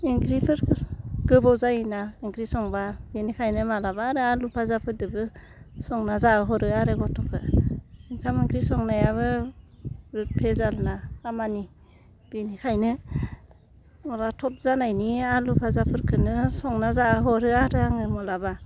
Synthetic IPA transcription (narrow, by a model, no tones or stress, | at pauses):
iŋkɾipʰɯɾʰɡ̥ɯbɔzajnaiŋkɾisɔŋbabenikʰajnɯmalabaːɾɯalupʰazapʰɯɾdɯbɯ | sɔŋnazaɯɦɔɾɯaɾɯɡɔtʰɔkʰɯ̰iŋkʰamiŋkɾisɔŋnajaβɯ | ɾɯpʰezalnaamani | b̥inikʰajnɯ | ɔɾatʰɔp̚zanajnialupʰazapʰɯɾkʰɯnɯsɔŋnazaɯɦɔɾɯaɾɯaŋɯmɔlaba